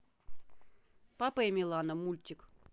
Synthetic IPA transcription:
papəemʲilˠanəmulʲt̪ʲɪk

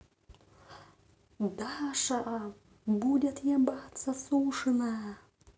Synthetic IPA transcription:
d̪aʂaʔa | budʲet̪jabat̪sɐsuʂɨnajɐ

